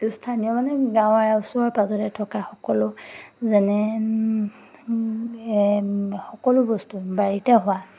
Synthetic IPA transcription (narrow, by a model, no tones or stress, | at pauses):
stʰaniɔmanɛɡãw̃aɹausʊɔɹpazɔtɛtʰɔkaxɔkɔlʊzɛnɛ | xɔkɔlʊbɔstubaɹitɛɦʊwa